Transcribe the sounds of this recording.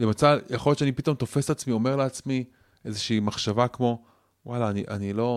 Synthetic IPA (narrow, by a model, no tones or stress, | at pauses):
lemat͡sajaχo̞jott͡ʃeanipit̪o̞mt̪o̞fe̞st̪at͡smio̞me̞ʁleat͡smi | ʔe̞zeʃiːmaχʃavakmo̞ | walaːniʔanilo̞